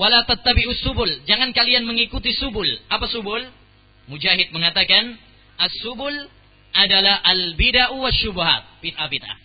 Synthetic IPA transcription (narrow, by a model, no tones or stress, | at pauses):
walat̪at̪ːabiʔusubʊld͡ʒaŋankalianməŋikut̪isubʊlʔapasubʊl | mud͡ʒaɦɪt̪̚məŋat̪akan | ʔasubʊl | ʔadalahʔalbidaʔuwaʃːubuɦa̰t̪̚bit̪̚ʔabit̪̚ʔa̰